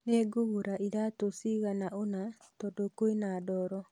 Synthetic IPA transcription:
neɡuɣuɾaʔiɾatosiɣanaʔona | tɔdokoinadɔɾɔ

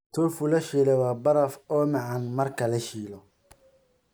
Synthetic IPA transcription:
t̪ʰʊlfʊlɐʃiːlɛwabɐɾɐfɔːmɑʕɑnmɐrkʰɐlɐʃiːlɔ

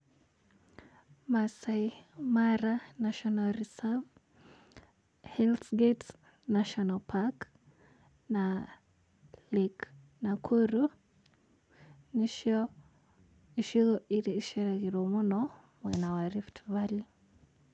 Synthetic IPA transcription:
masaimaɾanaʃɔnalɾisav | hɛlsɡɛt | naʃɔnalpʰak | na | lik | nakʰuɾu | niʃ | iʃiɣɔʔiɾiiʃɛɾɛɣiɾɔmunɔ | mwɛnawaɾiftβali

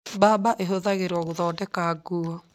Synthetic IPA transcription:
baːbaʔeɦoðaɣeɾɔɣoðɔːdɛkaɡuɔ

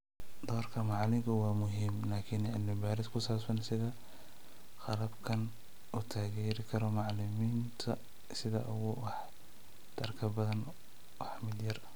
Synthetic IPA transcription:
d̪ɔːrkʰɐmɑʕlɪŋkʰʊwɑːmʊɦiːmlaːkʰɪnʕɪlmɪbaːɾɪskʰʊsaːbsɐnsɪðɐ | χɑlɐbkʰɐn | ʊt̪ʰaːɣɛːɾɪkʰɐɾɔmɑʕlɪmiːnt̪ʰɐ | sɪðɐ̰ʔʊɣʊwɑħ | d̪̥ʰɐrkʰɐbɐðɐn | wɑħmɪd̪jɐrɐ

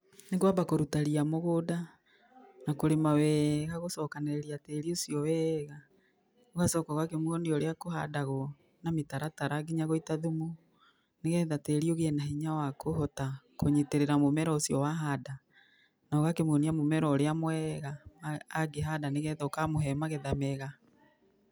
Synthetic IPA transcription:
neɣwabakoɾutaɾiamoɣoda | nakoɾemawɛɣaɣosɔkaneɾeɾiateɾiosiɔwɛɣa | oɣasɔkaɣwakemwɔniɔɾeakoha̰daɣɔ | nametaɾataɾaɡiɲaɣoitaðumo | neɣɛðateɾioɣeɛnaɦiɲawakoɦɔtakoɲeteɾeɾamomɛɾɔosiɔwaɦada | naɣakemwoniamomɛɾɔɾeamwɛɣamaːɡeɦadaneɣɛðokamoɦɛmaɣɛðamɛɣa

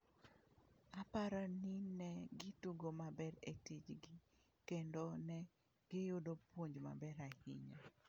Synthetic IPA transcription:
apaɾɔninɛɡɪtuɡomabɛɾetid͡ʒɡɪ | kendonɛ | ɡ̥ɪjʊdopwoɲd͡ʒma̰bɛɾahḭɲa

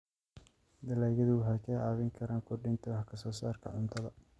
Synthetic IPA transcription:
d̪ɐlaːjɐðʊwɦakʰɛːaːβɪŋkʰɐɾaːŋkʰʊrɖɪnt̪ʰɔwħkʰɐsɔːsaːrkʰɐ̰ʕʊnt̪ʰɐðɐ

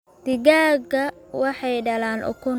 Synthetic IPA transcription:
d̪̥ɪɡaːɡɐwɑħɑjɖɐlaːnʔʊ̰kʰʊ

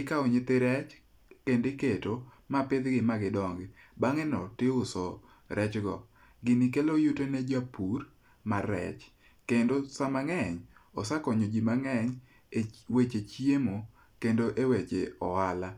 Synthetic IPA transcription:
ɪkaoɲɪt̪ɪɾɛt͡ʃ | kendɪketo | mapɪd̪ɡɪmaɡɪdɔŋɡɪbaŋɛnɔtɪʊsɔ | ɾɛt͡ʃɡɔ̰ | ɡɪnɪkelojutoned͡ʒapur | marːɛ̰t͡ʃ | kendosamaŋɛɲɔ̰sakɔɲod͡ʒimaŋɛɲ | wet͡ʃet͡ʃjemo | kendoʔewet͡ʃeɔala

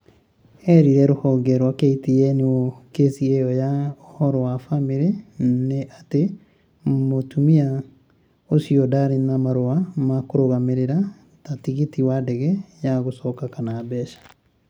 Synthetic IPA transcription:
ɛɾiɾɛɾohɔɡɛɾwakeitiɛniɔkesieɔjaohɔɾɔwafamiɾeneʔate | motumia | osiɔdaɾinamaɾoamakoɾoɣameɾeɾa | tatiɣitiwadɛɣɛjaɣosɔːkakanaːbɛːʃḁ

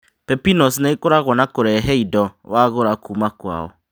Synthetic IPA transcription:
pɛpinɔsnekoɾaɣɔnakoɾɛɦɛidɔwaɣoɾakuːmakwa̰ːɔ̰

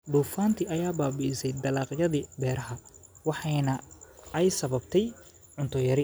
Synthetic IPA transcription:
ɖ̪uːfaːnt̪ʰiʔɐjaːbaːbisɛjd̪ɐlaːqjɐðibɛːɾɐɦɐwɑħɑjnɐɛjsɐβɐbt̪ʰɛj | ʕʊnt̪ʰɔjɐɾɪ

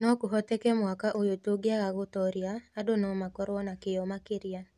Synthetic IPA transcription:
nɔkʊɦɔt̪ɛkɛmwakaʔojotoɡjaɣaɡʊt̪ɔɾjaːdonɔmakɔɾwɔnakɪjɔmakɪɾia

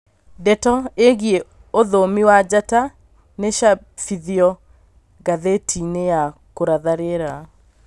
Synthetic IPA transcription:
dɛtɔeɣie | oðomiwad͡ʑata | neʃa | fiðiɔ | ɡaðetʰinejakoɾaðaɾeɾa

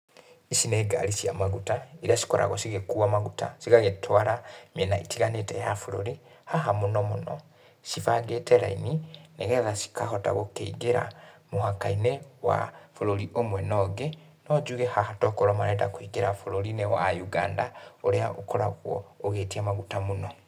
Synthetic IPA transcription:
isineɡa̰lisiamaɣutaiɾjasi̥kɔɾʔa̰ɣwosiɣekuamaɣuta̰siɣaɣetʰwaɾamjenaitʰiɣanetɛjafuɾoɾi | haɦamunomunɔ̰ | ʃivaɡetɛɾa̰inineɣɛðasi̥kaɦota̰ɣokeiɡeɾa̰muɦakainewa̰fuloɾiʔomwɛnɔɡe | nod͡ʒuɣehahatɔkoɾomaɾɛdakwiɡeɾafuloɾinewajuɡa̰ːndaoɾeaʔokoɾa̰ɣwo̰ːɣetiamaɡutamuno

